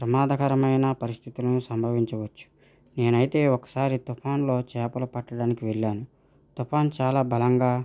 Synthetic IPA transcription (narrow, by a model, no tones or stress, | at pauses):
pɾɐmaːd̪ɐkɐɾɐmɐjnɐpɐɾist̪ʰit̪ulɐnusɐmbʱɐʋiɲt͡ʃɐʋɐt͡ʃːu̥ | ne̞ːnɐjit̪e̞ːɔkɐ̥saːɾit̪upʰaːnlo̞ːt͡ʃɛːpɐlɐpɐʈːɐɽaːnikiʋeɭːaːnu | t̪upʰaːnt͡ʃaːlaːbɐlɐŋɡaː